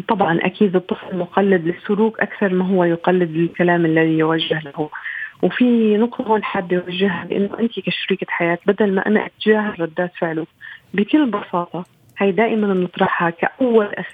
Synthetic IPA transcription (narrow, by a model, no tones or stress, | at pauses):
t̪ˤɑbʕɑnʔa̰kiːd̪ɨt̪ˤːɨflmʊqalːɪd̪lɪsːʊɾuːkʔakθɑɾˤmaɦʊwːajʊqalːɪd̪ɪlkalaːmɪlːaðijwaʒːɪhlahʊwfinʊqt̪ˤɑhoːnħabːjwaʒːɪhhabɪʔɪ̰nːʊʔɪnt̪ikaʃaɾiːkaħajaːt̪bad̪alma̰ʔa̰na̰ʔa̰t̪ːɪʒaːharˤːɑd̪ːaːt̪fɪʕlubɪkɪlːbɑsɑːt̪ˤɑ | haːjd̪aːʔɪmanɪnːɨt̪ˤɾˤɑħhakaʔawːalʔa